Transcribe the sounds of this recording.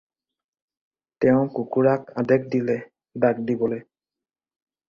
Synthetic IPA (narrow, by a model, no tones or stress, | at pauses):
tɛʊ̃kukuɹakadɛk̚dilɛ | dak̚dibɔloj